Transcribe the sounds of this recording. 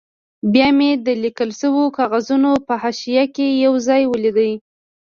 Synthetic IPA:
bjɑmed̪əlikəlʃəwokɑɣazunopəhɑʃijakejawzɑjwəlid̪əj

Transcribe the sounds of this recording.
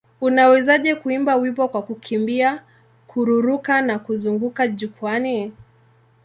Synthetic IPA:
unawɛzaʄɛkuimbawipɔkwakukʰimbia | kʰuɾuɾukanakuzuŋɡukaʄukuani

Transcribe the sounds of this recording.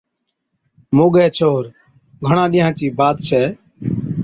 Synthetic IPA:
moːɠɛːt͡ʃʰoːɾ | ɡʱəɳãːɗɪːãːt͡ʃiːbaːt̪t͡ʃʰɛː

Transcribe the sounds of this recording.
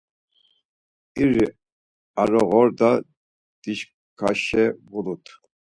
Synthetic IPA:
iɾi | aɾɔɣɔɾd̪a | d̪̥iʃ | kʰaʃɛvulut̪ʰ

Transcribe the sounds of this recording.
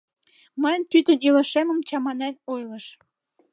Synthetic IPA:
məjnpyt̪ənilə̆ʃemə̆mt͡ɕɑmɑnænojlɤʃ

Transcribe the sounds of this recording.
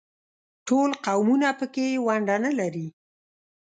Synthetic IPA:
ʈolqawmunapəkewaɳɖanalaɾi

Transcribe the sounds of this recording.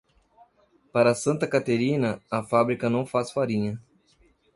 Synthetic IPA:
paɾɐsɐ̃nt̪ɐkat̪eɾĩnɐɐfabɾikɐnɐ̃w̃fasfaɾĩɲɐ

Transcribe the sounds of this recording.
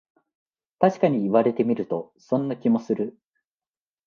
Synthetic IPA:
t̪aɕi̥kaɲ̟iːβaɾe̞t̪e̞mʲiɾɯ̟t̪o̞ | sõ̞nːakʲimo̞sɨɾɯ

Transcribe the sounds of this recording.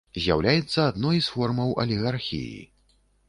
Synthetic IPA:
zʲja̰wlʲajɛt̪sːɐad̪nɔjsfɔrmɐwʔɐ̰lʲiɣarxʲḭjḭ

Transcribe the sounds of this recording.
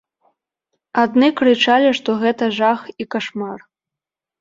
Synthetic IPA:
ad̪nɨkɾɨt͡ʂalʲiʂt̪ɔɣɛt̪ɐʐaxikaʂmar

